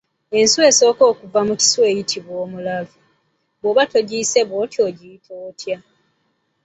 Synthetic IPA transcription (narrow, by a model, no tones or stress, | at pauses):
e̞nsue̞ːso̞ːko̞ːkuvamuci̥swe̞ːjitʰiβwoːmulavu | βoβato̞ɟiːse̞βotjo̞ɟitʰoːtja